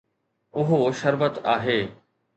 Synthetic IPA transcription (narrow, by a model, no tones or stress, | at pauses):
ʊɦoʃɐɾʋət̪aːɦeː